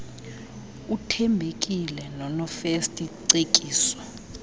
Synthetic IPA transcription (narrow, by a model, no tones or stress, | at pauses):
utʰɛmbʱek̬ʼilɛnɔnɔfestʼiǀekʼiːsɔ̥